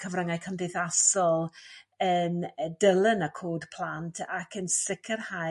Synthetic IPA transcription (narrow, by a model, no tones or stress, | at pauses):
kʰəvrəŋajkʰəndɪjθasɔlˠəndəlˠənəkʰoːdpʰl̥ˠantʰakʰənsɪkʰərha